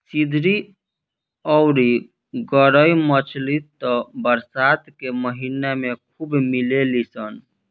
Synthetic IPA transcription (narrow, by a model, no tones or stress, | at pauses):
sid̪ʱɾi | ɔʊɾi | ɡəɾəjmət͡ʃʰlit̪ɔbəɾsat̪keməɦinamekʰubmilelisən